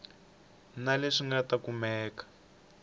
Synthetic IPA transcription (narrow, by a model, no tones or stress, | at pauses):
naleʂiŋɡatakumɛːkḁ